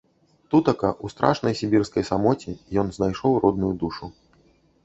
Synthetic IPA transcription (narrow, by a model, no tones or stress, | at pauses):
t̪ut̪ɐkɐʔust̪ɾʔa̰ʂnɐjsʲibʲirskɐjsamɔt͡sʲijɔnznajʂɔwɾɔd̪̚nujud̪uʂu